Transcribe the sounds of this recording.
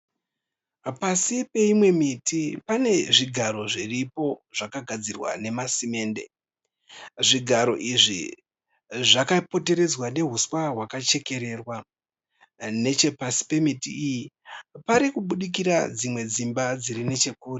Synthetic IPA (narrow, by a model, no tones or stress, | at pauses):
pasipe̞imwe̞mitipane̞ʐiɡʱaɾo̞ʐiripo̞ʐ̥akaɡʱad͡zirwa̰ne̞masime̞ːnde̞̰ | ʐiɡʱaɾo̞ʔiʐḭ | ʐakapo̞te̞ɾe̞d͡zwane̞ɦuswaɦwakat͡ʃe̞ke̞ɾe̞rwa | ne̞t͡ʃe̞pasi̥pe̞mitiijipaɾikuɓuɗik̬iɾad͡zimwe̞d͡zimbad͡zirine̞t͡ʃe̞kuːri